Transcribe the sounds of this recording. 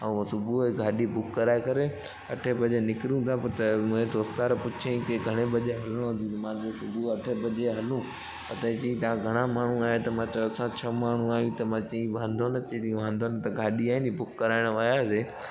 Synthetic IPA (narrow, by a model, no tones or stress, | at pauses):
ɛ̃sʊbʱueɡʱaːɗibʊkːɐɾaːekɐɾe | ɐʈʰebɐʄenɪkɾjũt̪ʰapɐɾt̪ɐmũɦẽd̪oːst̪aɾɐpʊt͡ʃʰẽĩkeɡʱɐɽ̃ebɐʄeɦɐləɽ̃õɦʊ̃nd̪ĩt̪ɐmãːd͡ʑosʊbʱuɐʈʰebɐʄeɦɐlũ | pɐt̪ɐ̃t͡ɕĩĩt̪ɐãɡʱɐɽ̃amaːɳ̤ũaːɦet̪ɐmãt͡ɕɐɐsãt͡ɕʰɐmaːɳ̤ũaːjũt̪ɐmãːt͡ʃɐ̃ĩʋʱãːnd̪ʱonɐt̪ẽt̪iũʋãːnd̪ont̪ɐɡʱaːɗiaːɦɪ̃nibʊkːɐɾaːɪɽ̃ʋɐjaseː